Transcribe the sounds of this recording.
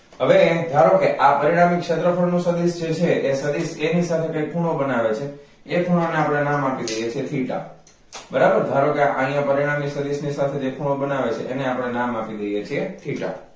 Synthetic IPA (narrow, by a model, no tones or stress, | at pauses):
ɦəʋed̪ʱaɾokeʔapəɾiɽ̃amikʃət̪ɾəfʰəɭnũsəd̪isd͡ʒet͡ʃʰeesəd̪isenisat̪ʰekəjkpʰuɽ̃obənaʋet͡ʃʰeː | kʰuɽ̃aneapəɽ̃enamapid̪əjet͡ʃʰiet̪ʰiʈa̰ | bəɾabəɾd̪ʱaɾokeaʔãɦĩjãpəɾiɽ̃amiksəd̪isnisat̪ʰed͡ʒekʰuɽ̃obənaʋet͡ʃʰeʔeneapəɽ̃enamapid̪əjet͡ʃʰiet̪ʰiʈa̰